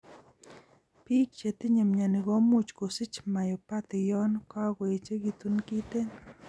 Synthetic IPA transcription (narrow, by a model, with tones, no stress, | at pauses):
pi˦k̚t͡ʃe˨t̪ɪ˦ɲe˨mɲa˨nɪ˨ɡɔ˦mu˦t͡ʃko˨sɪ˦t͡ʃma˨jo˨pa˦t̪ɪ˨jɔ˦nka˦kwe˨t͡ʃe˦ki˨t̪u˦nki˦t̪e˦n